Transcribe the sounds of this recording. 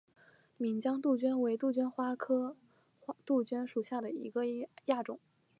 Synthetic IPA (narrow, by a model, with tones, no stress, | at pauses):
mi˨˩nt͡ɕjɑ˥ŋt̪u˥˩t͡ɕɥy˥nwe˧˥ɪt̪u˥˩t͡ɕy˥nxwa˥kʰɤ˥ | t̪u˥˩t͡ɕɥy˥nʂu˨˩ɕja˥˩d̪ə˩ḭ˧˥ɡə˧ja˥˩ʈ͡ʂʊ̰˨˩˦ŋ